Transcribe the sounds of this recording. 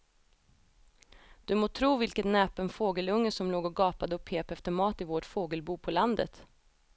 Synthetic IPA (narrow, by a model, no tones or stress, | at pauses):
d̪̥ɵmoːt̪ʰɾuːvɪlkət̪nɛːpɛnfoːɡəlɵŋːəsɔmloːɡɔɡɑːpad̪əɔpʰːeːpɛft̪əɾmɑːt̪ɪvoʈfoːɡəlbuːpʰɔland̪ə̰t̪